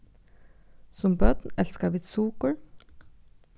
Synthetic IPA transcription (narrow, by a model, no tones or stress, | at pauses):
sɔmbœd̪̥n̩ɛlskɑʋɪt̪suːkəɹ